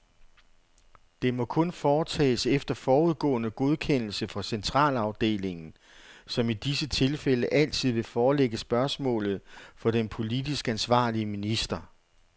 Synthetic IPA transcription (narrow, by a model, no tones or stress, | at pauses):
d̥e̝mɒ̽kʰɔ̽nfɒːt͡sʰɛ̰ːsefd̥ɐfɒːuð̞ˠɡ̥ɔ̰̽ːnəɡ̥o̝ð̞ˠkʰen̰l̩səfʁɑ̈sent͡sʰʁɑ̰̈ːlɑ̈ʊd̥e̝̰ːle̝ŋn̩ | sɒ̽mid̥isət͡sʰe̝lfeləʔæl̰t͡sʰið̞̰ˠʋe̝fɒːleɡ̥əsb̥ɶɐsmɔ̰̽ːlð̞̩ˠfɒ̽ɾ̥enpʰo̝lidisɡ̥əænsʋɑ̰̈ːliəminisd̥ɐ